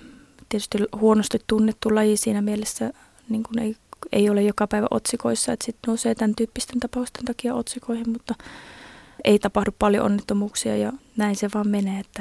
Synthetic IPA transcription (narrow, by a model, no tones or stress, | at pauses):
t̪iet̪y̥st̪ilhuonost̪it̪t̪unːet̪ːulɑjisiːnæmielesːæ | niːŋkunḛiḛiolejjokɑpæiʋæ̰ʔo̰t̪sikoisːɑet̪sit̪nouseːt̪ænt̪yːpːist̪ent̪ɑpɑust̪ent̪ɑkiɑot̪sikoihimmut̪ːɑ | ʔḛit̪ɑpɑhduppɑljo̰ʔo̰nːet̪ːomuːksiɑ̰jɑnæinseʋɑːmmeneːet̪ːæ